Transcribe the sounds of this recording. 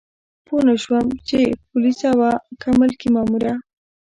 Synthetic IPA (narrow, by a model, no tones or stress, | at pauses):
ponaʃwəmt͡ʃepʊlisawakamalkimɑmuɾa